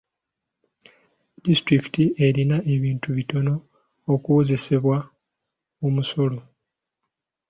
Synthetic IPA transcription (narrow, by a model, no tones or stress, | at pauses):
distɾiki̥tie̞ɾinaʔe̞βiːntuβito̞no̞ː | kuoze̞se̞βwa | omuso̞lo̞